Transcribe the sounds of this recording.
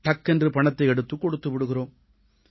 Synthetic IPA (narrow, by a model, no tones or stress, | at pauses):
ʈɐkːɛndrɯpɐɳɐt̪ːɐɪɛɽɯt̪ːɯkːɔɽɯt̪ːɯʋɪɽɯɣɪɾoːm